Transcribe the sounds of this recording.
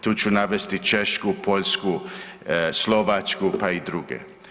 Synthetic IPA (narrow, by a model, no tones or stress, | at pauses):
t̪ut͡ʃunaʋest̪it͡ʃeʃkupʰoʎsku | sloʋat͡ʃkupaid̪ɾuɡḛ